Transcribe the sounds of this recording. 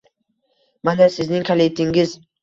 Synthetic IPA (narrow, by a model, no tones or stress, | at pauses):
manasɪznɪŋkʰalet̪ʰɪŋɪz